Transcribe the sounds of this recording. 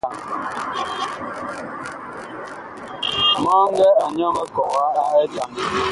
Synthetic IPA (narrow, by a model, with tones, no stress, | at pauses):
a˨ŋ˨ | ma˦ŋ̩˦ɡɛ˦a˨ɲ˦ɔ˦mɛ˦kɔ˨ka˦a˨e˦d͡ʒa˨ŋ˨